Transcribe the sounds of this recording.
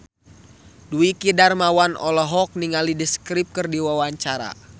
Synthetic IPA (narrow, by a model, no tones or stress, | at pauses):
duikidarmawanɔ̰lɔɦɔk̚niŋalidiskɾip̚kɨrdiwawaɲt͡ʃaɾa̰